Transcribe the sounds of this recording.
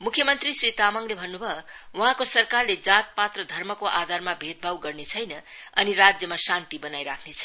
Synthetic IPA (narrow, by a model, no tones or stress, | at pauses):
mukʰːjʌmʌnt̪risrit̪amʌŋlebʱʌnːubʱʌwʌɦãkosʌrkarled͡zat̪̚pat̪rʌd̪ʱʌrmʌkoʔad̪ʱarmabʱet̪̚bʱawɡʌrnet͡sʰʌjnʌʌniɾad͡zjʌmasant̪ibʌnajɾakʰnet͡sʰʌ̥